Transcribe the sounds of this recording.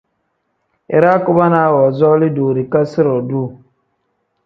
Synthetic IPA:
ḭ˨ɾa˦ku˦ba˦na˦wɔ˨zɔ˦li˦duː˨ɾi˨ka˦si˦ɾɔ˨du˦˨

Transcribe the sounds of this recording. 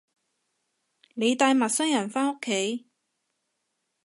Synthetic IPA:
ne˨˧jt̪aː˧jmɐ˨t̚sɐ˥ŋjɐ˨˩nfaː˥no˥kʰːe˨˥j

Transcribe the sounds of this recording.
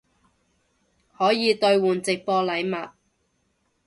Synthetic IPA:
hɔː˨˥jiː˨˧t̪ɵ˧ɥwuː˨nt͡sɪ˨k̚pɔː˧lɐ˨˥jmɐ˨t̚

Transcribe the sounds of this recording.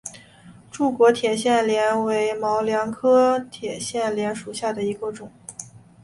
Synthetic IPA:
ʈ͡ʂu˥˩kwɔ˧˥t̪ʰjɛ˨˩ɕjɛ˥˩nljɛ˧˥nwe˧˥ɪmɑ˧˥ʊljɑ˧˥ŋkʰɤ˥t̪ʰjɛ˨˩ɕjɛ˥˩nljɛ˧˥nʂu˨˩ɕja˥˩d̪ə˩i˧˥ɡə˧ʈ͡ʂʊ˨˩˦

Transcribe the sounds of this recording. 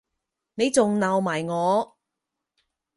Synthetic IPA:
ne˨˧jt͡sʊ˨ŋnɐ˨wmaː˨˩jŋɔː˨˧

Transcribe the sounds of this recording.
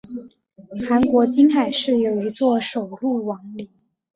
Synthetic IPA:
xa˧˥nkwɔ˧˥t͡ɕi˥nxa˨˩ɪʂɻ̩˥˩jo˨˩ʊi˧˥t͡swɔ˥˩ʂo˨˩ʊlu˥˩wɑ˧˥ŋli˨˩˦

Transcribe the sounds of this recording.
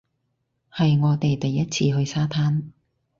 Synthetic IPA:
hɐ˨jŋɔː˨˧t̪e˨jt̪ɐ˨jːɐ˥t̚t͡sʰiː˧ɦɵ˧ɥsaː˥t̪ʰaː˥n

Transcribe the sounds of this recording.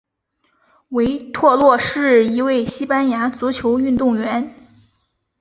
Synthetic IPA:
we˧˥ɪt̪ʰwɔ˥˧lwɔ˥˧ʂɻ̩˥˩i˧˥we˥˩ɪɕi˥pa˥nja˧˥t͡su˧˥t͡ɕʰjo˧˥ʊy˥˧nt̪ʊ˥˩ŋɥɛ˧˥n

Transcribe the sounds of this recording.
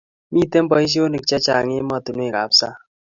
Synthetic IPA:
mi˦˨te˦m̩˦bɔ˨i˦ʃ̬i˦o˦ni˨k̚t͡ʃɛ˦t͡ʃa˨ŋe˦ma˦˨tu˨nwe˦˨ka˨psa˦˨

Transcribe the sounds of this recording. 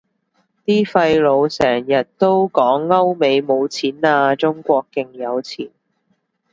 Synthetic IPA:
t̪iː˥fɐ˧jlo˨˧wsɛː˨˩ŋjɐ˨t̚t̪o˥wkɔː˨˥ŋːɐ˥wme˨˧jmo˨˧wt͡sʰiː˨˥naː˧t͡sʊ˥ŋkʷɔː˧kːɪ˨˧ŋjɐ˨˧wt͡sʰiː˨˩n

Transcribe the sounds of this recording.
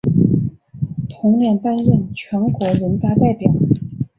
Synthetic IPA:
t̪ʰʊ˧˥ŋljɛ˥˧˩nt̪a˥˧nɻə˥˩nt͡ɕʰɥɛ˧˥nkwɔ˧˥ɻə˧˥nt̪a˥˧t̪a˥˩ɪpjɑ˨˩˦ʊ

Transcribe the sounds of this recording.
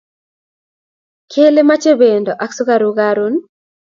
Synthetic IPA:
kʰe˦le˦ma˦t͡ʃe˦be˨ndɔ˨ʔa˦ksu˦ɡa˦ɾuɣaɾu˦n

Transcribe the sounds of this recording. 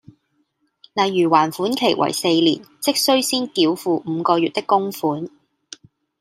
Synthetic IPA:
lɐ˨jːyː˨˩waː˨˩nfuː˨˥nkʰe˨˩jwʔɐ̰˨˩jse˧jlḭː˨˩nt͡sɪ˥k̚sɵ˥ɥsiː˥nkiː˨˥wfuː˧m̩˨˧kɔː˧jɥyː˨t̚t̪ɪ˥kːʊ˥ŋfuː˨˥n

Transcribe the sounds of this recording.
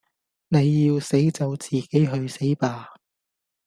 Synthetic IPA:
ne˨˧jːiː˧wse˨˥jt͡sɐ˨˧wt͡siː˨˩ke˨˥jɦɵ˧ɥse˨˥jpaː˧

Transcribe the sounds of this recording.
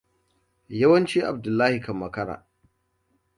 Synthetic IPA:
jɐ˦wɐ˦nt͡ʃiː˦ʔa˨b̚dʊ˨lːaː˦hi˨kɐ˨mːɐ˨kɐ˦ɽa̰ː˨

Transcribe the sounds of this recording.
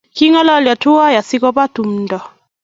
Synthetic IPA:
ki˦ŋɔ˦lɔ˦lja˨tu˦a˦ja˨si˦kɔ˦pa˦tu˨m̩˦dɔ˨

